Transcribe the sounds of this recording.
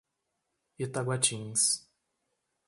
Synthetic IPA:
it̪aɡwat͡ʃĩŋs

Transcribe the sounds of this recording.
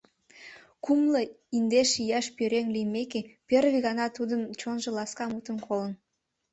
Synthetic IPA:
kumlɤ | ind̪eʃjæʃpøɾeŋlijmekepʲerβiɣɑnɑt̪ud̪ənt͡ɕonʒɤ̆lɑskɑmut̪ənkʰolən

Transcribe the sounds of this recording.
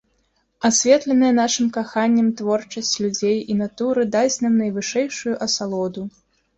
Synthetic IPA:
asʲvʲɛt̪lʲɛnɐjɐn̪aʂɨmkaxanʲːɐmt̪vɔrt͡ʂɐsʲt͡sʲlʲud͡zʲejin̪at̪uɾɨd̪at͡sʲnamnɐjvɨʂɛjʂujuʔɐsalˠɔd̪u

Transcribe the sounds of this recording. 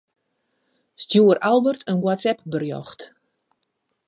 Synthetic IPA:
stjuəralˠbərtʰənɡwatsɛp̚bərjɔ̰xt

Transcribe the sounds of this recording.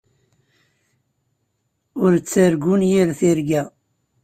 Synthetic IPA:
ʊɾt͡sːəɾɡunjiɾθiɾɡæ

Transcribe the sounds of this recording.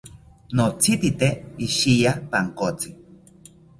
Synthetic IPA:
not͡sit̪it̪eiʃijapaŋkot͡si

